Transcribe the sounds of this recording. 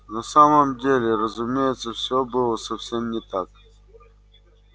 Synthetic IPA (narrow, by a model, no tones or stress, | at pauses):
nɐsaməmdʲelʲɪɾəzʊmʲejɪt̪səfsʲobɨlˠəsɐfsʲemnʲɪt̪ak